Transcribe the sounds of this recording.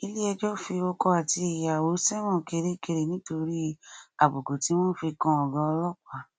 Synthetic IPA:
i˧li˦ɛ˧d͡ʒɔ˦fi˧o˧kɔ˧a˨ti˧e˨ja˨wo˨˦sɛ˦mɔ̃˦˨ke˧ɾe˦ke˧ɾe˨nĩ˨˦to˧ɾi˦a˨bo˨ɡo˨ti˨˦wɔ̃˦n̩˦fi˧kã˧ɔ˨ɡã˧ɔ˧lɔ˦kʷa˦˨

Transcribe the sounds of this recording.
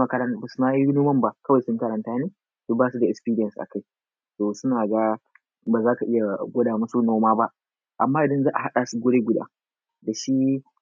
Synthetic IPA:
a˨kɐ˦ɾɐ˦nbɐ˨snaː˦i˦noː˦mɐ˦mba˨kɐ˦wa˨jsʊ˦ŋkɐ˦ɾɐ˨ntaː˦neː˦ | sʊ˦baː˦su˨da˨ʔɛ˨spiː˦ɾɪ˦jɐ˨nsʔa̰˨ka˦˨j | soː˨sʊ˦naː˨ɡa˦ | baː˨zaː˦ka˨ʔɪ˦ja˨ɡʷɔ˦daː˨mɐ˦su˦noː˦maː˦ba˦ʔ | ʔa˨mːaː˦ʔɪ˨dɐ˦nzaː˦ʔa˨ɦa˦ɗaː˨su˨ɡʷo˦ɽeː˦ɡʷʊ˦da̰ː˦ | da˨ʃi˦

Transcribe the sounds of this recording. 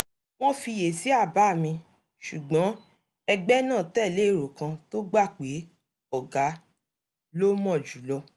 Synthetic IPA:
w̃ɔ̃˦fi˧je˨si˨˦a˦˨ba˨˦˨mĩ˧ | ʃu˨ɡ͡bɔ̃˨˦ | ɛ˧ɡ͡bɛ˦nãː˦˨tɛ˦˨le˨˦˨ɾo˨kã˧to˦ɡ͡ba˦˨k͡pe˨˦ | ɔ˦˨ɡa˨˦ | lo˦mɔ̃˦˨d͡ʒu˨˦lɔ˧

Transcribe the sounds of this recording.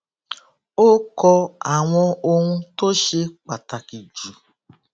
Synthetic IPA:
o˦kɔ˧a˨ŋʷɔ˦o˦ŋʷũ˦to˦ʃe˦k͡pa˨ta˨ki˨d͡ʒu˨

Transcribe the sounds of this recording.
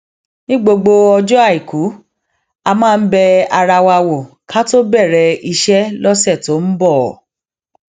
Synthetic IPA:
nĩ˦ɡ͡bo˧ɡ͡bo˧ɔ˧d͡ʒɔ˦a˦˨i˨ku˨˦ | a˧mãː˦˧n̩˦bɛ˧a˧ɾa˧wa˧wo˨ | ka˦to˦bɛ˦˨ɾɛ˨˧i˧ʃɛ˦lɔ˦sɛ˦˨to˨˦n̩˦bɔ˦˨

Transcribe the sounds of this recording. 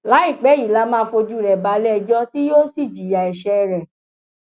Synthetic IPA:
la˨˦i˦˨k͡pɛ˨˦i˨la˨˧˦mãː˦fo˧d͡ʒu˦˨ɾɛ˨ba˧lɛ˦˧d͡ʒɔ˦ti˦joː˦si˦˨d͡ʒi˨ja˨ɛ˨ʃɛ˧ɾɛ˨

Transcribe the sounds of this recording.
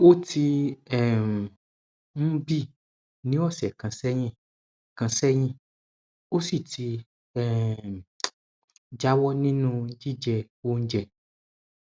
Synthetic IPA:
o˦tʰi˧ɛ˦˨ | m̩˦bi˦˨ | nĩ˨˦ɔ˦˨sɛ̰˨kã˨˧sɛ˦j̃ĩ˦ | kã˧sɛ˦j̃ĩ˦˨ | o˦si˦˨tʰi˧ | ɛ˦˨ | d͡ʒa˦wɔ˦nĩ˦nũ˦˧˦d͡ʒi˦˨d͡ʒɛ˧wo˦n̩˦d͡ʒɛ˦˨

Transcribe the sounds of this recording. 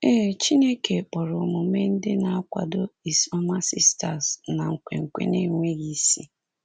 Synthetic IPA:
e˦˨t͡ʃi˦ne˦ke˨k͡pɔ˨ɾʊ˨mʊ˨me˦n̩˦dɪ˦na˨a˦kʷa̰˨dʊ˦i˨sɔ˦ma˦si˦sta˨sna˨ŋ̩˨kʷḛ˨ŋ̩˨kʷḛ˨ne˦˨˦ŋʷe˦ɣi˦si˦

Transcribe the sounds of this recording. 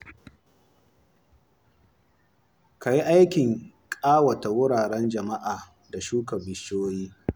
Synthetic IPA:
ka˨ji˦ʔa˦jkʲɪ˨ŋ | kʼaː˦wɐ˨ta˨wʊ˦ɽaː˨ɽɛ˦nd͡ʒɐ˨ma˦ʔaː˨ | da˨ʃuː˦kɐ˨bɪ˦t͡ʃoː˦jiː˦

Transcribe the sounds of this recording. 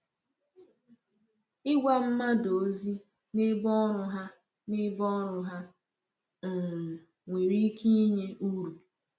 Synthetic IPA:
ɪ˦ɡʷa˦m̩˦ma˦do˨˦zi˦ | nɪ˦bɔ˦ɾʊ˨ɦa˦ | nɪ˦bɔ˦ɾʊ˨ɦa˦ | ŋ̩˨ | ŋʷe˨ɾi˦ki˦i˦ɲe˦u˦ɾu˨

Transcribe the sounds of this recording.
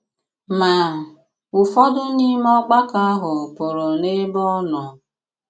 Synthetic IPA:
ma˨ | ʊ˨fɔ˦dʊ˦ni˦m˦ɔ˦k͡pa˦ka˦a˦ɦʊ˨pʊ˨ɾʊ˨ne˦bɔ˦nɔ˨

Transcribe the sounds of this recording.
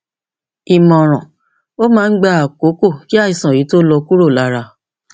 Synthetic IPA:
i˨mɔ̃˨ɾ̃ɔ̃˨ | o˦mãː˦˧n̩˦ɡ͡ba˦˧a˨ko˨˦ko˦˨ki˦a˦˨i˨sã˨i˨˦to˦lɔ˧ku˦ɾo˦˨la˦˧ɾa˧

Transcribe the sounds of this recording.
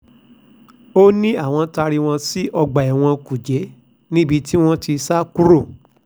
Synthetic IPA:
o˦nĩ˦a˦˨w̃ɔ̃˧ta˧ɾi˧w̃ɔ̃˧si˦ʔɔ˧ɡ͡ba˨ɛ˨w̃ɔ̃˧ku˨d͡ʒɛ˨˦ | nĩ˦bi˧ti˦w̃ɔ̃˦ti˧sa˦ku˦ɾo˦˨

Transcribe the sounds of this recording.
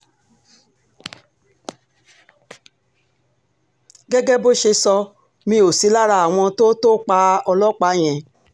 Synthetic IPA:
ɡɛ˦ɡɛ˦bo˦ʃe˧sɔ˧ | mĩ˧˦o˨si˨˦la˦ɾa˧˦˨a˨w̃ɔ̃˧to˦to˦k͡pa˧ɔ˧lɔ˦k͡pa˨˦j̃ɛ̃˨

